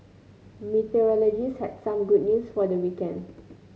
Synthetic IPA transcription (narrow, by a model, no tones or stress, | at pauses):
mitəɹɔlɔd͡ʒishɛdsãmɡud̚njusfɔdəwikɛ̃nd